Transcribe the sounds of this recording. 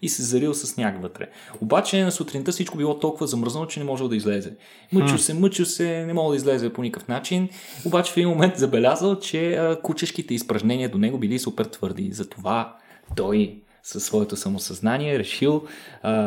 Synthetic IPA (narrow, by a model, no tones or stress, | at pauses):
isɛzɐɾilˠsɐsnʲakvət̪ɾɛ̰ | obat͡ʃɛnɐsut̪ɾint̪əfsit͡ʃkobilˠɔt̪ɔlˠkʊvɐzɐmɤɾzənot͡ʃɛnɛmɔʒɛlˠd̪ɐizlɛzɛ | mɤt͡ʃʊsɛmɤt͡ʃʊsɛnɛmɔɡlˠd̪izlɛzɛponikəfnat͡ʃin | obat͡ʃɛ̥fɛd̪inmomɛnt̪zɐbɛlʲazəlˠt͡ʃɛəkut͡ʃəʃkit̪ɛispɾɐʒnɛniəd̪onɛɡobilisupɛɾt̪v̥ɤɾd̪ḭzɐt̪ova | t̪ɔj | sɐsːvɔɛt̪osɐmosɐznaniɛɾɛʃilˠ